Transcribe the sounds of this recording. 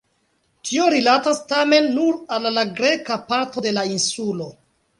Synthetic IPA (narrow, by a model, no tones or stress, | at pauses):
tʰio̞ɾilatastame̞nːuɾalːaɡɾe̞kapaɾto̞de̞lainsulo̞